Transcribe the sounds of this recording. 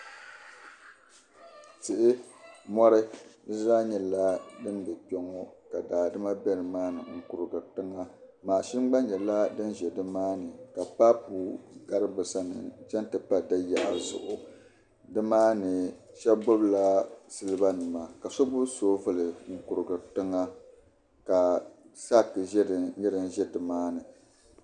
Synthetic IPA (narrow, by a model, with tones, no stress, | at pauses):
tɨ˨ʔɪ˦mɔ˦ɾɨ˦zɾa˦ɲɛ˨la˦dɨ˦n˦bɛ˨pɛ˦ŋɔ˦ka˨daː˨dɨ˦ma˦bɛ˦nɨ˨maː˦nɨ̰˨ŋ̩˨ku˨ɾɨ˨ɡɨ˨tɨ˦ŋa˦maː˨ʃɪ˦mɡ͡ba˦nɲɛ˨la˦dɨ˦nʒɛ˨dɨ˦maː˦nɨ˨ka˨pa˦pu˨ɡa˦ɾɨ˦bɨ˨sa˦nɨ̰˨t͡ʃɛ˦ntɨ˨pa˦dɨ˦ja̰˨ʔa˨zʊ̰˨ʔʊ˨ | dɨ˦maː˦nɨ˨ | ʃɛ˦bɡ͡bo˦bla˦sɨ˦lɨ˦ba˦nɨ˨ma˨ka˨so˦bʊ˦soː˦vɨ˦lɨ˨ŋ̩˨ku˨ɾɨ˨ɡɨ˨tɨ˦ŋa˦ | ka˨sa˦kɨ˨ʒɛ˦dɨ˨ɲɛ˦ɾɨ˦n˦ʒɛ˦dɨ˨maː˦nɨ˨